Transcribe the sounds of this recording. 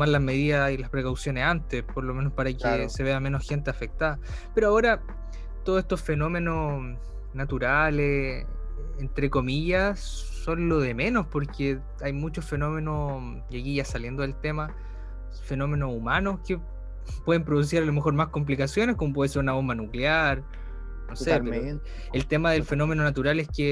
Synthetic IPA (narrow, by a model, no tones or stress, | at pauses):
omaɾlazme̞ðiðailahpɾekawsjo̞nesant̪espoɾlo̞me̞nospaɾakeseβeame̞nosxe̞nt̪eafe̞k̚t̪aða | pe̞ɾoaoɾa | t̪oðosest̪o̞sfe̞no̞me̞no | nat̪uɾale | ent̪ɾe̞ko̞miʝasː | o̞nlo̞ðe̞meno̞spoɾke | ajmut͡ʃosfe̞no̞me̞no | jakiʝasalje̞nd̪o̞ðelt̪ema | fe̞no̞me̞nosumanoske | pwe̞ðempɾoðus̬iɾalomexo̞ɾmasko̞mp̬likasjo̞nehkomop̬we̞ðeseɾunaβombanukleaɾ | nose | elt̪emaðelfe̞no̞me̞no̞nat̪uɾalehke